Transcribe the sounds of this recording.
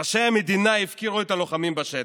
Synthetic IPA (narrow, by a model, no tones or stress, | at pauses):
ʃejamed̪inaifkiʁuet̪alo̞χamimbaʃet